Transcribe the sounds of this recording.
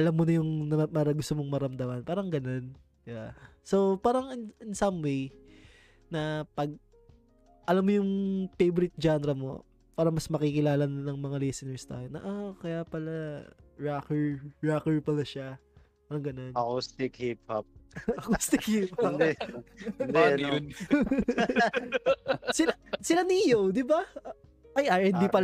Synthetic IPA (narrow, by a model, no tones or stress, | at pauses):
ʔɐlamːonɐjʊŋnɐpaɾɐɡʊst̪omoŋmɐɾɐmd̪ɐmɐnpaːɾɐŋɡɐno̞n | ja | so̞paːɾɐŋɪnɪnsɐmwej | nɐpɐɡ̚ | ʔɐlamːojʊŋfejboɾɪt̪̚d͡ʒanɛɾɐmo̞̰ | paːɾɐmɐsmɐkikɪlaːlɐnnɐŋmɐŋalɛsɪnɛɹst̪a̰ːjonɐ̰ʔokɐjaːpɐlaɹakɛɹɹakɛɹpɐlaʃa | bɐɾɐŋɡɐnonɐkost̪ɪkhip̚ap̚ʔɐkost̪ɪk̚hip̚ɐd̪ɛ | d̪ɛɐ | sɪasɪlaniʔɪjowd̪ɪba | ʔɐjʔaʔɪnd̪ipɐl